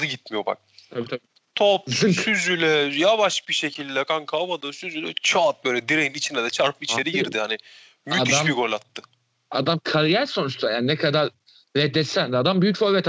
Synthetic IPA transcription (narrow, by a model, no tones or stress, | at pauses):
ɯɟit̪̚mijoba̰k̚t̪ʰabiːt̪ʰai | t̪ʰop̚zɯŋsyzylʲɛjavaʃbiʃecʰilʲd̪ɛjakʰankʰabad̪ɯsyzylʲɛt͡ʃʰaat̪̚bøjlʲɛd̪iɾejinit͡ʃʰind̪ɛd̪ɛt͡ʃʰaɾpʰɯit͡ʃʰeɾiɟiɾd̪ɪhanɪ | myadiaʃmbiɡolʲat̪ːɯ̥ | a̰d̪amkʰalijɛɾso̞nut͡ʃt̪ʰajaːninɛkʰad̪aɾː | ɛd̪ːɛsænd̪ad̪ambyjycfoɾbɛt̪